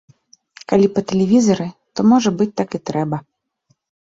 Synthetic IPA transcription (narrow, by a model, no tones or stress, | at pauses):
kalʲipɐt̪ɛlʲɛvʲizɐɾɨt̪ɔmɔʐɐbɨt͡sʲt̪akit̪ɾɛbɐ